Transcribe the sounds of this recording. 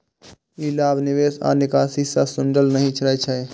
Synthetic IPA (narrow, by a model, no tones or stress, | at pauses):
ilaːbnɪʋesa̰ːnɪkaːsisasʊnɖəlnəɦĩt͡ʃəlɛt͡ʃʰɛ